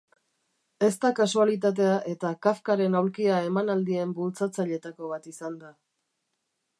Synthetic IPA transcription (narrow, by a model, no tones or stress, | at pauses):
e̞st̪akasualit̪̬at̪̬e̞aʔe̞t̪akafkaɾe̞nawɾkiae̞manald̪ie̞mbult͡sat͡saʎe̞t̪ako̞β̞at̪isand̪a